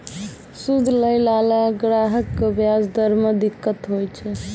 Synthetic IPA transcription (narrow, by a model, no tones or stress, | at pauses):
sud̪ʱləjlalaɡɾaɦəkːebjasd̪əɾmed̪ikːət̪ɦojt͡ʃʰɛ